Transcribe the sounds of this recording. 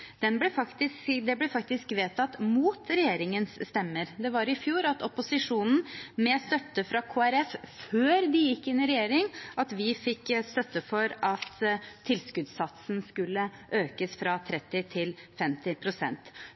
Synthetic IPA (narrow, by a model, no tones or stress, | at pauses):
d̪̥ɛnblɛfɑkt̪ɪsd̪ɛblɛfɑk̚t̪ɪskʋeːt̪ʰɑt̪muːt̪ɾɛjeːɾɪŋənsːt̪ɛmːəɾd̪ɛʋɑɾɪfjuːɾɑt̪ɔpʊsɪʂuːnn̩mɛst̪œt̪ːəfɾɑkʰoːæɾɛfføːɾd̪ɪjɪkːɪnːɪɾɛjeːɾɪŋʔɑt̪ʋɪfɪkːst̪œt̪ːəfɔɾɑt̪ʰːɪlskʉd̪sɑt̪sn̩skʉlːəʔøːkəsfɾɑt̪ʰɾɛt̪ːɪt̪ʰɪlfɛmt̪ɪpʰɾʊsɛ̰nt̪